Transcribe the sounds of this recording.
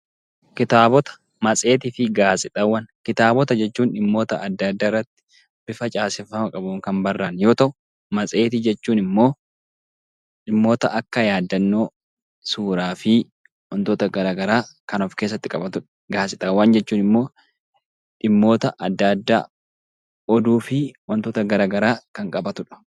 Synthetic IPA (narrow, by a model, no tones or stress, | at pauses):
kɪt̪aːbɔt̪ɐ̥ | mɐt͡sʼe̞ːt̪ɪfɪɡaːsʼɪt̪ʼɐwːɐnkɪt̪aːbɔt̪ɐd͡ʒɛt͡ʃːuːnᶑɪmːo̞ːt̪ɐɐd̪ːad̪ːaːɪrːɐt̪ːɪ̥ | bɪfɐt͡ʃʼaːsɪfɐmɐkʼɐbʊŋkɐmbɐrːaːnjo̞ːt̪ɐʔʊ | mɐt͡sʼe̞ːt̪ɪd͡ʒɛt͡ʃːuːnɪmːo̞ː | ᶑɪmːo̞ːt̪ɐʔɐkːɐjaːd̪ːɐnːo̞ː | suːɾaːfɪ | wɐnt̪oːt̪ɐɡɐɾaːɡɐɾaːkɐnɔfkeːs̬ːɐt̪ːɪkʼɐbɐt̪ʊᶑɐ̥ | ɡaːsɪt̪awaːnd͡ʒɛt͡ʃːuːnɪmːo̞ː | ᶑɪmːo̞ːt̪ɐʔɐd̪ːad̪ːa̰ː | ɔd̪uːfɪwɐnt̪oːt̪ɐɡɐɾaːɡɐɾaːkɐŋkʼɐbɐt̪ʊᶑɐ̥